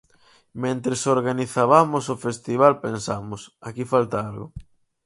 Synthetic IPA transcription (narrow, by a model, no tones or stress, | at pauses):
mẽnt̪ɾesoɾɣaniθaβamʊsofest̪iβ̞alpensamʊsakifalt̪aalɣʊ̰